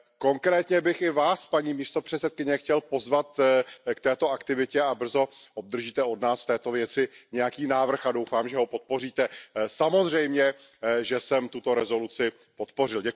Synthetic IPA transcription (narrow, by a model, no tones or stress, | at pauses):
ko̞ŋkɾɛːt̪ɲɛbɪxɪvaːspaɲiːmiːst̪o̞pr̝̥ɛt͡ssɛt̪̚kɪɲɛxcɛlpo̞zvat̪kt̪ɛːt̪o̞akt̪ɪvɪcɛabr̩zo̞ʔob̚d̪r̩ʒiːt̪ɛo̞dnaːsft̪ɛːt̪o̞vjɛt͡sɪɲɛjakiːnaːvr̩xadowfaːmʒɛɦo̞po̞t̪̚po̞riːt̪ɛsamozr̝ɛjmɲɛʒɛsɛmt̪ut̪o̞ɾɛzo̞lut͡sɪ | po̞t̪po̞rɪlɟɛ